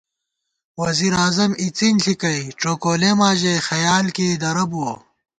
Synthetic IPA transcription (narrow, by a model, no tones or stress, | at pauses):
wɐziɾaːzɐmit͡sinɬʰikɐjʈ͡ʂoːkoːlemaːʑexɐjaːlkeːd̪ɐɾɐbuo